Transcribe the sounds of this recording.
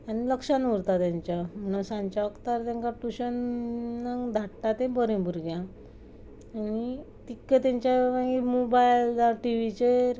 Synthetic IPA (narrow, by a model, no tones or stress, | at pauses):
añiləkʂanuɾt̪at̪jãɲt͡ɕjam̤əɽ̃unsãɲt͡ɕaəkt̪aɾt̪jãŋkaʈuɕənː | ad̪ʱaʈʈat̪ẽbəɾĩbuɾɡjã | ani | t̪ikːət̪jaɲt͡ɕaʋãɡimobajld̪aʈiʋit͡ɕeɾ